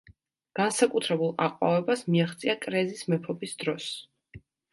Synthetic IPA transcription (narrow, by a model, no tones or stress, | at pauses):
ɡ̥ansakʼut̪ʰɾɛbulˠaqʼwa̰vɛbasmiaχt̪sʼiakʼɾɛzismɛpʰɔbisd̪ɾɔs